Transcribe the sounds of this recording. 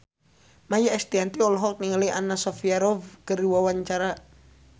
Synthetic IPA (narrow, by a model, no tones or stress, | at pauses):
majaʔɛst̪iant̪iɔlɔɦɔk̚niŋaliʔanasɔfiaɾɔvkəɾiwawaɲt͡ʃaɾa